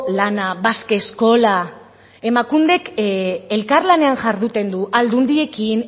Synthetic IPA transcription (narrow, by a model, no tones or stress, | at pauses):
lanaβaske̞sko̞la | e̞makund̪e̞ke̞lkaɾlane̞anʝaɾðut̪e̞nd̪uʔald̪und̪ie̞kin